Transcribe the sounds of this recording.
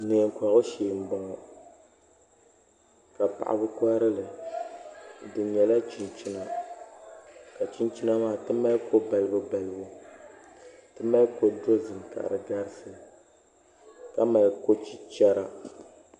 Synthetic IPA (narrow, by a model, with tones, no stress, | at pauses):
neː˨ŋ˨kʷa˨ɣʊ˦ʃeː˨m̩˨ba˨ŋɔ˨ | ka˨pa̰˨ʔa̰˨bɨ˦ka˦ɾɨ˦lɨ˨ | dɨ˨ɲɛ˨la˦t͡ʃi˨nt͡ʃi˦na˨ | ka˨t͡ʃi˦nt͡ʃi˦na˦maː˦˨tɨ˦ma˦ko˦ba˨lɨ˨bʊ˨ba˨lɨ˨˦bo˦ | tɨ˦ma˦ko˦do˦zɨ˨mka̰˨ɾɨ˨ɡa˦ɾɨ˦sɨ˨ | ka˦ma˨lko˦t͡ʃi˦t͡ʃɛ˦ɾa˦